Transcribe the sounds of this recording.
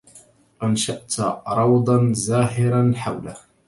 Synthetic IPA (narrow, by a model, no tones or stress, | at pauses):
ʔanʃaʔt̪ɾˤɑwd̪ˤɑnzaːɦɪɾanħawlah